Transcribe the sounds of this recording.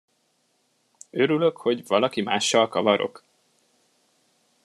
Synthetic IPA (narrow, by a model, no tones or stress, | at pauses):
ø̞ɾyløkho̞ɟvɒlɒkimaːʃːɒlkɒvɒɾo̞̰k